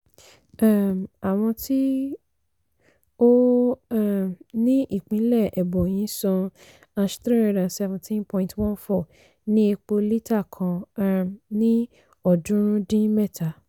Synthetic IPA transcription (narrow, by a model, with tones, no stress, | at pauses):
ã˦˨m˨a˨w̃ɔ̃˧tʰi˦ | o˦a˦˨mnĩ˦ʔi˦˨k͡pĩ˨˦lɛ˦˨ɛ˨bɔ˨j̃ĩ˨˦sɔ̃˧ | a˧ʃtɾĩ˦ɾe˧dã˨sɛ˧vɛ̃˨ntʰĩ˦npɔ̃˧˨ĩ˨twɔ̃˦nfɔ˦˨ | nĩ˦e˧k͡po˧li˦ta˦˨kʰã˧a˦˨mnĩ˦ | ɔ˦˨dũ˦ɾ̃ũ˦dĩ˦mɛ˦˨tʰa˨˦